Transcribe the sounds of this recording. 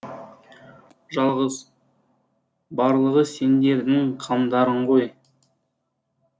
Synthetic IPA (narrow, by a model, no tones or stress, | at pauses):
ʒɑlˠʁəz | bɑɾlˠəʁəse̞nd̪e̞ɾd̪ɪŋqʰɑmd̪ɑɾəɴqo̞j